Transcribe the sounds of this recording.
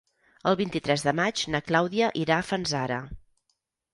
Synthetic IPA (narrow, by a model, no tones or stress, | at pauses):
əlˠβint̪it̪ɾɛzðəmad͡ʒnəklawðiəʔiɾaːfənzaɾə̰